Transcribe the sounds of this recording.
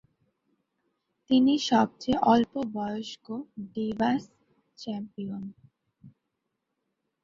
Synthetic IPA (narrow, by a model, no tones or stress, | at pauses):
t̪iniʃɔb̚t͡ɕeʔɔlpobɔjoʃkoɖibas | t͡ɕɛmpion